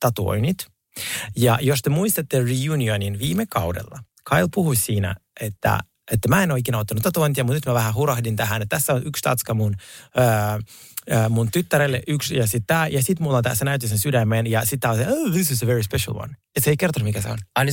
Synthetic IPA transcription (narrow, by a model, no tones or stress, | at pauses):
t̪ɑt̪uo̰init̪ | jɑjost̪emuist̪ɑt̪ːerijunioninʋiːmekɑudḛlːɑ | kʰɑilpuhussiːnæ̰ʔet̪ːæ̰ | et̪ːæmæenoikeːnɑut̪ːɑnut̪t̪ɑt̪uoint̪jɑmut̪nyt̪mæʋæɦæɦuɾɑhdint̪æɦænet̪t̪æsːæonʔykst̪ɑ̰t̪skɑmunə | əmunt̪yt̪ːæɾelːeʔyksjɑsit̪t̪æːjɑsit̪mulːont̪æ̰senæyt̪ːisensydæmːenjɑsit̪ːæːoseoðisisəʋeɹispeʃɑ̰lwɑ̰net̪seikert̪onumikæsḛo̰nn